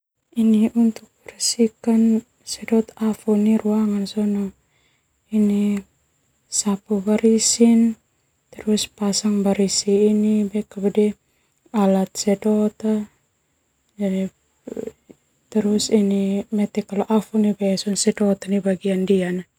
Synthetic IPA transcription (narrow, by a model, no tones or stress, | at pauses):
iniunt̪uk̚ɛrsikan | sɛdɔt̪afɔnːiɾuaŋansɔnɔ | ini | sapubaɾisin | t̪ɛɾuspasaŋbaɾisiːnibɛkabɛdɛ | alat̪̚sɛdɔt̪a | d͡ʒadi | t̪ɛɾusinimɛt̪ɛkalɔʔafɔnibɛsɔnsɛdɔt̪anibaɡiandiana